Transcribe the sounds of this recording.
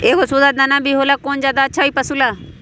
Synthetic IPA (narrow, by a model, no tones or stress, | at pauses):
eːkosuːd̪aːd̪anãːbʱiɦoːlaːkoːnzjaːd̪aːətːʃʰaːiːpəsuːlaː